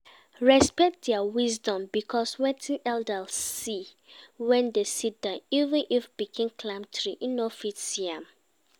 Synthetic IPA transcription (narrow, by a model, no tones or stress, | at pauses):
ɹɛspɛk̚t̚dɛawizdɔ̃mbikʰɔswɛtʰĩnɛldalsi | wɛ̃ndesit̚d̥aivə̃nʔifbikʰẽmkʰlãmtʰɹiʔĩnofisiãm